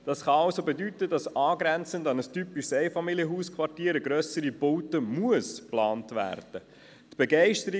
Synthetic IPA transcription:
d̥ɑsχɑɑʊsobedytədɑsɑːɡɾɛnt͡səndɑnəstypiʃsɛɪfɑmiljəɦuːskʰvɑrtiːɾəɡɾœsəɾibowtəmuəsplɑːntvæ̰ːrd̥ə | tb̥ɛɡɛɪʃtəɾi

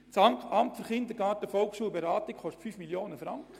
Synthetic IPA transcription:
t͡sɑŋkʰɑmtfyɾχɪnd̪əɾɡɑːtəfɔlksʃuːlbeɾɑːt̪ikχɔʃtfyfmiljoːnəfɾɑŋkχə

